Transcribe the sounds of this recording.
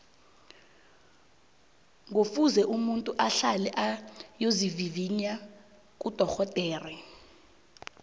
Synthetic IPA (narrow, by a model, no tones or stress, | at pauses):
ŋofuzɛʔumuntʼuʔaɬalɛʔajoziviviɲa | k̬ʼud̥ʱɔxɔd̥ʱɛːrɛ